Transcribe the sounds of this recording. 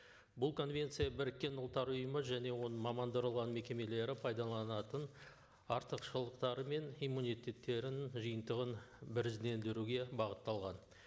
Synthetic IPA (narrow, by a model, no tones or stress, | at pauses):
bʊlˠkʰo̞nvʲe̞nt̪sɨjabɪɾɪkʲːe̞nʊlˠt̪ːɑɾʊjəməʒæne̞wo̞nəmɑmɑnd̪əɾəlˠʁɑnme̞kʲe̞me̞le̞ɾɪpʰɑjd̪ɑlˠɑnɑt̪ən | ɑɾt̪əqʃəlˠəqt̪ɑɾəme̞nijmːunijt̪e̞t̪ːe̞ɾɪnʒəjənt̪əʁənbɪɾzd̪e̞nd̪eɾuɡʲe̞bɑʁət̪ːɑlˠʁɑn